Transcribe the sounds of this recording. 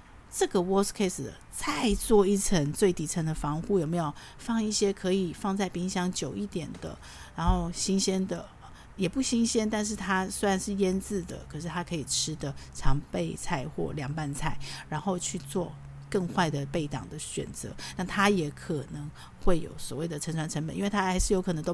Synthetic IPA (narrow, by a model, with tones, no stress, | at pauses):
ʈ͡ʂɤ˥˩ɡə˩wɔ˥skʰe˥ɪsd̪ə˩ | t͡sʰa˥˧ɪt͡swɔ˥˧i˥˩t͡sʰə˧˥ŋt͡swe˥˩ɪt̪i˨˥t͡sʰə˧˥nd̪ə˧fɑ˧˥ŋxu˥˩jo˨˩me˧˦jo˨˩ʊ | fɑ˥˧ŋi˥˩ɕjɛ˥kʰɤ˧˦˥i˨˩fɑ˥˧ŋt͡sa˥˩ɪpi˥ŋɕjɑ˥ŋt͡ɕjo˨˩ʊi˥˩t̪jɛ˨˩nd̪ə̰˦ | ɻa˧˥nxo˥˩ʊɕi˥ŋɕɛ˥nd̪ə˨˩ | jɛ˨˩pu˥˩ɕi˥ŋɕjɛ˥nt̪a˥˧nʂ̬ɻ̩˥˩t̪ʰa˥swe˥a˨˧nʂɻ̩˥˩jɛ˥nt͡sɹ̩˥˩d̪ə̰˩kʰɤ˨˩ʂɻ̩˥˩t̪ʰa˥kʰɤ˧˥i˨˩ʈ͡ʂʰɻ̩˥d̪ə˨ʈ͡ʂʰɑ˧˥ŋpe˥˧ɪt͡sʰa˥˧ɪxwɔ̰˥˩ljɑ˨˧˥ŋpa˥˧nt͡sʰa˥˩ɪɻa˧˥nxo˥˧ʊt͡ɕʰy˥˧t͡swɔ˥˧ | kə˥˧ŋxwa˥˩ɪd̪ə˩pe˥˩ɪt̪ɑ̰˨˩ŋd̪ə˦ɕɥɛ̰˨˩nt͡sɤ̰˧˦na˥˩t̪ʰa˥jɛ˨˥kʰə˨˩nə˧˥ŋ | xwe˥˩ɪjo̰˨˩ʊswɔ̰˨˩we˥˩ɪd̪ə˩ʈ͡ʂʰə˧˥nʈ͡ʂʰwa˧˥nʈ͡ʂʰə˧˥ŋpə˨nʔi˦˥we˥˧˩t̪ʰa˥xa˧˥ɪʂɻ̩˥˩jo˧˥kʰɤ˨˩˧ŋt̪o˥